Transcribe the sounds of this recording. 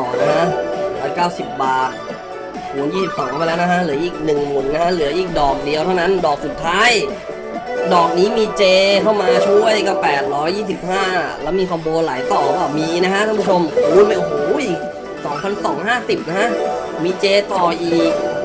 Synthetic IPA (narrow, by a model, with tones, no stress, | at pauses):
ɔː˨˩na˦˥kʰa˦˥ʔɾɔː˦˥jkaː˥˩wsi˨˩p̚baː˧˩ | huː˨˩˦njiː˥˩si˨˩p̚sɔː˩˦kʰa˥˩pa˧lɛː˦˥wna˦kʰa˦˥ʔlɯ˩˦ɐʔiː˨˩k̚nɯ˨˩ŋlu˨˩na˦˥kʰa˦˥lɯ˩˦ɐʔiː˨˩k̚dɔː˨˩k̚di˧ət̪ʰa˥˩wna˦˥ndɔː˨˩k̚su˨˩t̪ʰːaː˦˥j | dɔː˨˩k̚niː˦˥miː˧t͡ɕeː˧k̪ʰa˥˩wmaː˧t͡ɕʰu˥˩əjka˥˩pɛː˨˩t̪̚ɾɔː˦˥jːiː˥˩si˨˩p̚haː˥˩lɛː˦˥˩wmiː˧kʰɔ˧mboː˧nlaː˩˦jt̪ɔː˨˩kaː˧˩miː˧na˦˥kʰa˦˥ʔ̪ʰa˥˧˨pʰu˥˩t͡ɕʰo˧m˧u˧˦˥ma˥˩jʔo˧˩ɦoː˩˦j | sɔː˩˦ŋpʰa˧nsɔː˩˦ŋhaː˥˩si˨˩p̚na˦˥kʰa˦˥ʔ | miː˧t͡ɕeː˧t̪ɔː˨˩ʔiː˨˩k̚